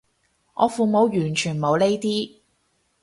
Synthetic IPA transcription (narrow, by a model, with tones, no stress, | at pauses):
ŋʔɔː˨˧fuː˨˧mo˨˧wjyː˨˩nt͡ʃʰyː˨˩nmo˨˧wle˥jt̪iː˥